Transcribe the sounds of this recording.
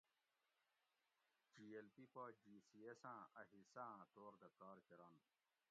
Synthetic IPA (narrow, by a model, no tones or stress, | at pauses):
d͡ʑiːelpipaːd͡ʑiːsiesãːɐɦisãːt̪oːɾd̪ɐkaːɾkeɾɐn